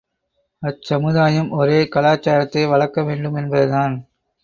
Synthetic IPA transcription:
ɐsɐmɯðaːjɐmʔɔɾeːkɐlaːt͡ʃːaːɾɐt̪ːɐɪʋɐɭɐkːɐʋeːɳɖɯmɛnbɐðɯðaːn

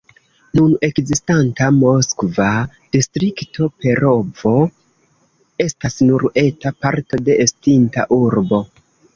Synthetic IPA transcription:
nune̞kzistantamo̞skva | d̥istɾikto̞pe̞ɾo̞vo̞ | e̞stasnuɾe̞tapaɾto̞de̞ʔːstinta̰ʔuɾbo̞

